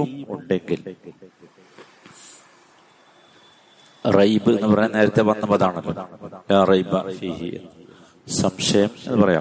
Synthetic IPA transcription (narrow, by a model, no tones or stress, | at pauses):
umuɳɖe̞ŋɡil | rɐjbɨenːɨpɐrɐɲɐne̞ːɾɐt̪ːeʋɐnːɐmɐðaːɳɐlːo̰jaːrɐjbfiːhḭ | sɐmʂɐjɐmenːɨpɐrɐja̰ː